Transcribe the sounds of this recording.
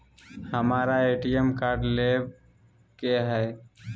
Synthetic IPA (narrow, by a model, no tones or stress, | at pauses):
həmaːɾaeːʈijemkaːɾɖleb | keɦɛː